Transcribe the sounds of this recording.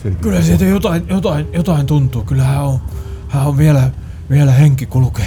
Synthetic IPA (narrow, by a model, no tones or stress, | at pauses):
kylhæsiːt̪æjot̪ɑinjot̪ɑinjot̪ɑint̪unt̪uːkylːæhæːohæːoʋʋiælæ | ʋiælæheŋkikulukeː